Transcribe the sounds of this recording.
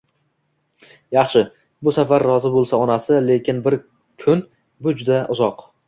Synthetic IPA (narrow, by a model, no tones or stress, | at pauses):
jɑχʃɪ | bʊsafaɾːɒzɪbolˠsaɒnasɪle̞kʲɪnbɪɾ | kʰʊn | bʊd͡ʒʊd̪aʔʊzɒq